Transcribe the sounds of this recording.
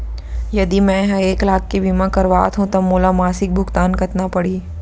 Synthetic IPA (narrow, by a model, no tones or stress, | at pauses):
jɐd̪imɛ̃ɦɐeːklaːk̚ːibʱimãkɐɾʋa̰ːt̪ɦũt̪ɐbmoːlamaːsɪk̚bʱʊkt̪aːnkɐt̪napɐɽiː